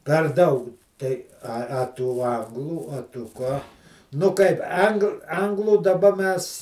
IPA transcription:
pʲɛr ˈdɐʊk tɐɪ ɐ ɐ ˈtuː ˈɐŋɡlˠuː ɐ tʊ ˈkɑː nʊ ˈkɐɪp ˈɐŋk ˈɐŋɡlˠuː dɐˈbɐ ˈmʲɛs

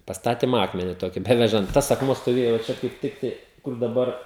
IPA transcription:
pɐsˈtɑːtʲɪm ˈɑːkmʲɛnʲɪ ˈtoːkʲɪ ˈbʲæːʋʲɛʒɐnt ˈtɐs ɐkˈmuɔ stoːˈʋʲeːjoː ʋɐ ˈt͡ʃʲɛ kɐɪp ˈtʲɪktɐɪ kʊr dɐˈbɐr

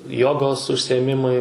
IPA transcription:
ˈjoːɡoːs ʊʃʲsʲɪeːˈmʲɪmɐɪ

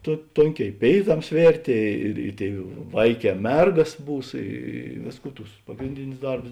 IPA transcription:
toː ˈtoːŋʲˌkʲɛː ɪ ˈpʲeːɪˌtɐms ˈʋʲeːrʲtʲeː ɪr ɪ ˈtʲeːɪ ˈʋɐɪˌkʲɛː ˈmʲɛrɡɐs ˈbuːs ˈiː ˈʋʲeːsˌkuː ˈtʊs ˈpɑːɡrʲɪnʲdʲɪnʲʊs ˈdɐrbʊs

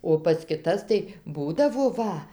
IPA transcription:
oː pɐs kʲɪˈtɐs tɐɪ ˈbuːdɐʋoː ˈʋɐ

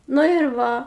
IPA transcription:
ˈnʊ ɪr ˈʋɐ

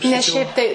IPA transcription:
nʲɛs ˈʃʲɛɪp tɐɪ

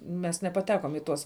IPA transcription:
mʲɛs nʲɛpɐˈtʲæːkoːm ɪ ˈtuɔs

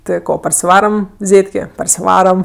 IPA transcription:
ˈtʲɪ ˈkoː pɐrʲsʲɪˈʋɑːrɐm ˈzʲeːtʲkʲeː pɐrʲsʲɪˈʋɑːrɐm

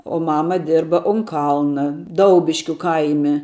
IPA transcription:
oː ˈmɑːmɐ ˈdʲɪrbɐ ʊn ˈkɐlˠnɐ ˈdɐʊbʲɪʃʲkʲʊ ˈkɐɪmʲɛ

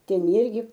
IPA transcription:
ˈtʲɛn ˈɪrʲɡʲɪ

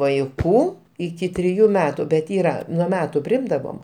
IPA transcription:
ʋɐɪˈkuː ɪˈkʲɪ tʲrʲɪˈjuː ˈmʲæːtʊ bʲɛt ˈiːrɐ nuɔ ˈmʲæːtʊ pʲrʲɪˈɪmdɐʋoːm

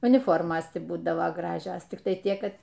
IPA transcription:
ʊnʲɪˈfoːrmoːs ˈtʲɪ ˈbuːdɐʋoː ˈɡrɑːʒʲoːs tʲɪkˈtɐɪ ˈtʲiɛk ˈkɐt

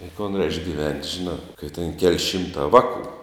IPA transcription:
ɪ koːn rʲɛɪʃk ˈɡʲɪʋʲɛnʲtʲ ˈʒʲɪˌnɑː kɐɪ tʲɛn kʲɛlʲ ˈʃʲɪmtɑː ˈʋɑːˌkuː

